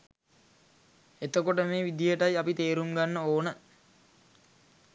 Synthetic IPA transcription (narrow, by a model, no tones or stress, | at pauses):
et̪əkoʈəmeːʋid̪ijəʈajapit̪eːɾuŋɡanːəoːnə